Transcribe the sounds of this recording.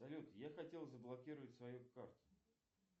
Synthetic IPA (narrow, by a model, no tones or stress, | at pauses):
ɐlʲot̪jaxɐtʲe̞lˠzəblˠɐkʲiɾɨvətʲsvɐjukart̪ʊ̥